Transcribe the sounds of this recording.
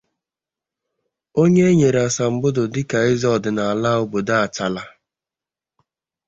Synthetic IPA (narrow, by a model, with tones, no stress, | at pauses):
o˦ɲe˦e˦ɲe˨ɾa˨sa˨m̩˨bʊ˦dʊ˨dɪ˦ka˨ɪ˦zɔ˦˨dɪ˨na˨a˨la˦ʊ˦bo˨da˦a˨t͡ʃa˨la˦